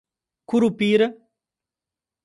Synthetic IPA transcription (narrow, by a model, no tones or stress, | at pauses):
kuɾupiːɾ